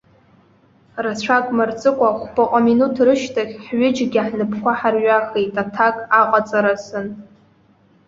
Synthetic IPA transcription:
rat͡ɕʷʰakʼmart͡sʼɨkʷʼaχʷbʼaqʷʼaminutʰrɨʃtʰaχʲħɥʊd͡ʒɡʲaħnɨpʰkʷaħarɥaχejtʼatʰakʼaqʼat͡sʼaɾasɨn

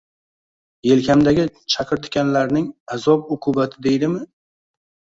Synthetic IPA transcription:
je̞lkʲʰamd̪aɡʲɪt͡ʃʰaqʰɨɾt̪ʰʊ̥kʲanlaɾnɪŋazɒbʊqʰʊbat̪ʰɪd̪e̞jd̪ɪmɪ

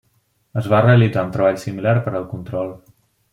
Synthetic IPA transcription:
əzβareəlid͡zaunt̪ɾəβ̞aʎsimilaɾpəɾəlˠkunt̪ɾɔlˠ

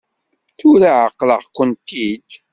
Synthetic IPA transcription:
θʊɾaʕəqːlə̰ʁkːənt̪id̪

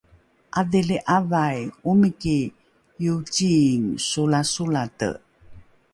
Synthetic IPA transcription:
ʔadiliʔavajumiki | jut͡ɕiːŋsulasulatə̰

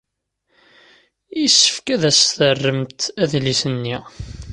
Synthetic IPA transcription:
jisːə̥fkæðæsθərːəmt̪æðlisənːi

